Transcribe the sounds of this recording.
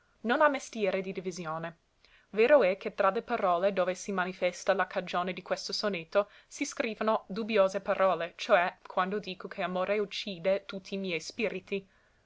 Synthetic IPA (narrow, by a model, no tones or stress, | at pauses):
nonamest̪jɛːɾed̪id̪ivizjoːne | veːɾoɛkʰːet̪ɾalepaɾɔːled̪oːvesimanifɛst̪alakʰad͡ʒoːned̪ikwest̪osonet̪ːo | siskɾiːvanod̪ubjoːzepaɾʔɔːlet͡ʃoɛkʰwand̪od̪iːkokʰeamoːɾeut͡ʃːiːd̪et̪ut̪ʰːiːmjɛjspiːɾit̪i